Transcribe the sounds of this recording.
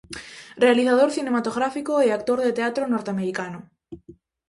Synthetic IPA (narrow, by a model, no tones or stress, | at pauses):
realiθaðoɾθinemat̪oɣɾafikoeak̚t̪oɾðet̪eat̪ɾonoɾt̪eameɾikano